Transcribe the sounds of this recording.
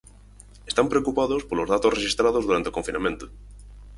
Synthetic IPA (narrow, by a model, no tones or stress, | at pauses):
est̪ampɾeokupaðospoɾlozðat̪orexist̪ɾað̞ozðuɾant̪eokoɱfinamjẽ̞nt̪o